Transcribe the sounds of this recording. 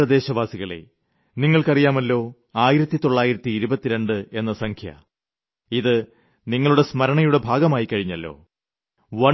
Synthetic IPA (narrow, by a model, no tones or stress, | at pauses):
ɐd̪e̞ːɕɐʋaːsiɣɐɭḛ | niŋːɐɭkɐrijaːmɐlːo̞ː | aːjiɾɐt̪ːit̪oɭːaːjiɾɐt̪ːiːɾubɐt̪ːiɾe̞ɳɖɨe̞nːɐsɐŋkʰjɐ̰ | iðɨ | niŋːɐɭuɽe̞smɐɾɐɳɐjuɽe̞bʱaːɡɐmaːjikːɐɻiɲːɐlːo̞̰ː | ʋɐ